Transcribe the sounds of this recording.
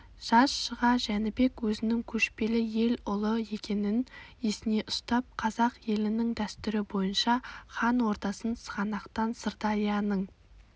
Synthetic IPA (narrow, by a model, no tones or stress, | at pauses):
ʒ̥ɑsʃəʁɑʒænɪbe̞kwɵzɪnɪŋkʲʰɵʃpe̞lɪje̞lʊlˠəe̞kʲe̞nɪnesɪne̞ʔʊ̥st̪ɑp̚qʰɑzɑqje̞lɪnɪŋd̪æst̪ʏɾɪbo̞jənʃɑχɑnwo̞ɾt̪ɑsənsəʁɑnɑqt̪ɑnsəɾt̪ɑlijɑnəɴ